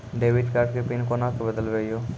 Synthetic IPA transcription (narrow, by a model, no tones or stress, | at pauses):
ɖeːʋɪʈkaɾɖ̚kepɪnkonaːkebəd̪əlʋeijoː